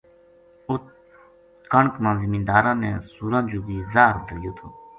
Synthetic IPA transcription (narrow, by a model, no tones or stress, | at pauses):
ʊt̪ | kəɳkmãːzɪmĩːnd̪aːɾãːneːsuːɾãːnd͡ʒõːbiːzaːɾd̪əɾɪjoːt̪ʰoː